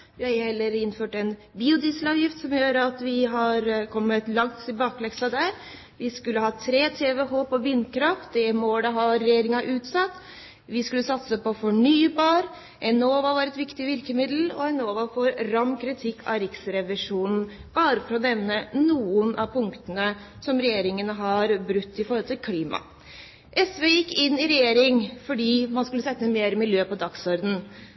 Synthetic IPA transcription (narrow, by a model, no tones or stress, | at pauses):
jhɛlːəɾɪnːføːʈɛn | biːʊd̪ɪslɑːʋjɪft̪sɔmjøːɾəɑt̪ʋɪɦɑɾkʰɔmːət̪lɑŋt̪ʰɪlbɑːklɛksɑd̪æɾ | ʋɪskʉlːəhɑːt̪ʰɾeːt̪ʰeːʋɛhoːpɔʋɪnːkʰɾɑft̪̚d̪ɛmɔd̪ɛɦɑɾɛjeːɾɪŋɑʔʉːt̪sɑt̪ː | ʋɪskʉlːəsɑt̪səpɔfɔɳyːbɑːɾ | ɛnoːʋɑʋɑɾɛt̪ʋɪkt̪ɪʋɪɾkəmɪd̪l̩ɔɛnoːʋɑfɔɾɾɑmːkʰɾɪt̪ʰɪkʰːɑ̰ɾɪksəɾɛʋɪʂuːnn̩b̥ɑːɾəfɔɾɔnɛʋnənuːənʔɑʋpʰʊŋkt̪ənə | sɔmɾɛjeːɾɪŋənəɦɑɾbɾʉt̪ːɪfɔɾhɔlt̪ɪlkʰliːmɑ̰ | ʔɛsʋeːjɪkːɪnːɪɾɛjeːɾɪŋfɔɖiːmɑnskʉlːəsɛt̪ːəmeːɾəmɪljøːpɔd̪ɑksɔɾd̪n̩